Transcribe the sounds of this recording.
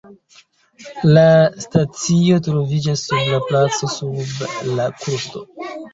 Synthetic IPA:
lastat͡sio̞tɾo̞vid͡ʒasːublaplat͡so̞sublakuɾsto̞

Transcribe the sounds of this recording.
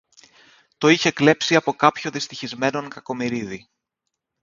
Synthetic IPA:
t̪o̞içe̞kle̞psiɐpo̞kɐpçoðist̪içizme̞no̞ŋkɐko̞miɾiði

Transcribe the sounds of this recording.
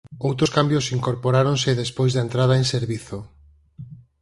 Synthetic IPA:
owt̪ɾʊskambjosiŋkoɾpoɾaɾonsɪðespojzðɐent̪ɾað̞aeŋseɾβiθo

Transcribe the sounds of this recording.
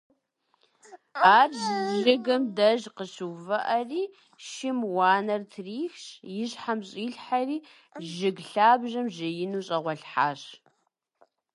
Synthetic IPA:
aːrzzɮɨɣɐmdɐʒqəɕɨvɐʔɐriː | ʃɪmwaːnɐrtʰriːxɕjɪɕħamɕʼiːɬħariː | ʒɪɡɬaːbʒɐmʒɐjɪnuːɕʼɐʁʷɔɬħaːɕ

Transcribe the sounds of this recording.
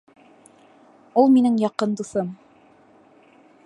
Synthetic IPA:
ulˠminɘŋjɑqɤnd̪uθɤm

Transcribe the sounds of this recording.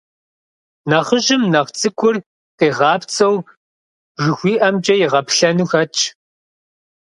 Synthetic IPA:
nɐχəʑɪmnɐʁt͡sʼɨkʷʰʼʊr | qeːʁɑːpt͡sʼɐw | ʐɨxʷiːʔɐmt͡ʃʼɐjɪʁɐpɬɐnuxɐt͡ʃʰʼ

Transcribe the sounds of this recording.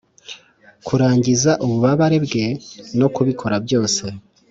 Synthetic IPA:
kʰuɾaːɲɟizaʔuβuβaβaɾe̞bɡe̞no̞kuβikʰo̞ɾabjo̞ːse̞

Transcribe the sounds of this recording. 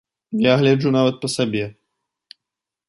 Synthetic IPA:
jaɣlʲɛd͡ʐunavɐt̪̚pɐsabʲɛ

